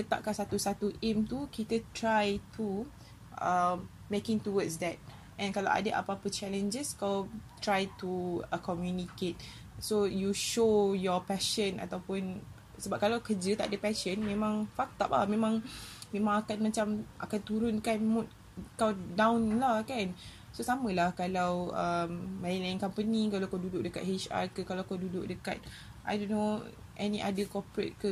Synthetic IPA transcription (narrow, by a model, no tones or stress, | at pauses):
kət̪a̰ʔkansat̪usat̪uʔemt̪ukit̪ət̪ɾajt̪ʰu | ʔəm | mekɪ̃ŋt̪uwəsdɛt̚ | ʔɛ̃nkalawʔa̰dəʔa̰papət͡ʃɛlə̃nd͡ʒəskawt̪ɾajt̪uəkɔmjuniket̪̚ | sojuʃojɔpɛʃə̃na̰t̪awpʊn | səbap̚kalawkəd͡ʒət̪aʔadəpɛʃənmẽmãŋfak̚t̪ap̚la̰mẽmãŋmẽmãŋakanmat͡ʃamʔa̰kant̪uɾʊnkanmut̚ | kawdãwnlahkan | sosamə̃lahkalawəmːalinlainkampənikalawkawdudʊʔ̚dəka̰t̚het͡ʃa̰kəkalawkadudʊk̚dəka̰t̪̚ | ʔa̰jdonːo | ʔɛniʔa̰dəkɔpɹḛt̚kə